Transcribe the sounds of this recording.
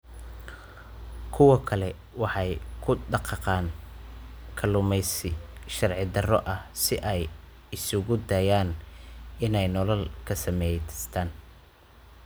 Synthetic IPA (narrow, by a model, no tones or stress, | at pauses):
kʰʊwɑkʰɐlɛ | wɑħɑjkʰʊɖɑqɑqɑːn | kʰɐlʊmɛsʃɐrʕɪd̪ɐrɔʔɐhsɪʔɛj | ɪsʊɣʊd̪ɐjaːn | ɪnɛjnɔlɐlkʰɐsɐmɛjt̪ʰst̪ʰaːn